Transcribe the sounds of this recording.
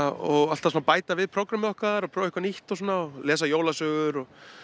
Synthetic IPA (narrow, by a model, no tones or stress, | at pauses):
ɔɣal̥t̪asuːnːapaːjt̪avɪðpʰɾɔwkɾamɪðɔhkvaðaɾɔpʰɾɔːɪhkaniht̪ɔsuːnaɔlɛːs̬ajoːwlasœːɣʏɾɔ